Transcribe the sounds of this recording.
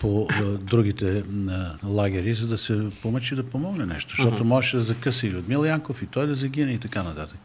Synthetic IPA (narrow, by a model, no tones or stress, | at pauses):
pod̪ɾuɡ̟it̪ɛ | lˠaɡ̟ʲɛɾizɐd̪ɐsɛpomət͡ʃid̪ɐpomɔɡnɛnɛ̰ʃt̪o̥ʃt̪ɔt̪omɔʒɛʃɛd̪ɐzɐkəsiliot̪milˠjaŋkofit̪ɔjd̪ɐzɐɡ̟ʲinɛit̪ɐkanɐt̪at̪ək